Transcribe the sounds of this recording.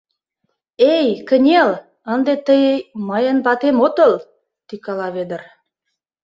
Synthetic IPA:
ejkə̆nʲel | ə̆nd̪et̪əjmɑjənbɑt̪emot̪əl | t̪ikɑlɑβed̪ə̆r

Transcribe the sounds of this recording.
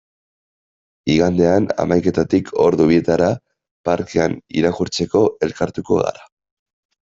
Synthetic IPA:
iɣand̪e̞ana̰majke̞t̪at̪ikʰo̞ɾðuβie̞t̪aɾa | paɾke̞anḭɾakuɾt͡se̞ko̞ʔe̞lkaɾt̪uko̞̰ɣa̰ɾa

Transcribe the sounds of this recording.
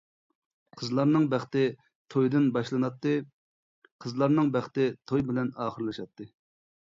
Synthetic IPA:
qʰəzlˠɑɾnɨŋbæχt̪ɪ | t̪ʰojd̪ɨnbɑʃlˠɨnɑt̪ːɨ | qʰəzlˠɑɾnɨŋbæχt̪ɪt̪ʰojbɪlɛnɑːχəɾlˠɨʃɑt̪ʰːɨ

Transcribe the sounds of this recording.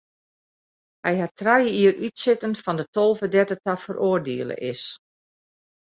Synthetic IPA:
hɛjhatrajəiərʔytsɪtənfɔndətolˠvədɛtətafərʔoːrdeəlˠə̰ʔɪs

